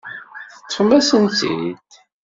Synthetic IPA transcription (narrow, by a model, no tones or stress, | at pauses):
θət͡sːħəmæsənt̪ḭd̪